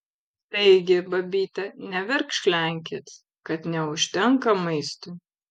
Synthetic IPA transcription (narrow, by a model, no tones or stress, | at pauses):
t̪ɐɪɡʲɪbɐbʲiːt̪ʲɛnʲɛʋʲɛɾkʃʲlʲæˑŋʲk̬ʲet̪ | kɐt̪nʲɛʊʃʲt̪ʲɛŋkɐmɐɪst̪ʊ